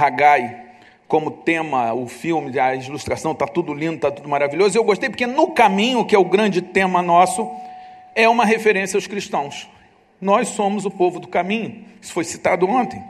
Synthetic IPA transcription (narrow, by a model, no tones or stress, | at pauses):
haɡaj | kõmʊt̪ẽmɐʊfiwmɪɐiluʃt̪ɾasɐ̃w̃t̪at̪ud̪ʊlĩnd̪ʊt̪at̪ud̪ʊmaɾaviʎozʊewɡoʃt̪ejpʊ̥ɾkenʊkamĩɲʊkɪɛʊɡɾɐ̃nd͡ʒɪt̪ẽmɐnɔsʊ | ɛũmɐɦefeɾẽsiawskɾiʃt̪ɐ̃w̃s | nɔjʃssõmʊzʊpovʊd̪ʊkamĩɲʊisʊ̥fojsi̥t̪ad̪ʊõnt̪ẽj̃